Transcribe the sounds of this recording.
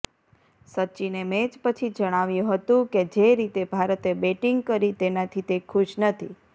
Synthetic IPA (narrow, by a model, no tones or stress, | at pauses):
sət͡ʃinemed͡ʒpət͡ʃʰid͡ʒəɽ̃aʋjũɦət̪ũked͡ʒeɾit̪ebʱaɾət̪ebeʈiŋɡ̚kəɾit̪enat̪ʰit̪ekʰʊʃnət̪ʰḭ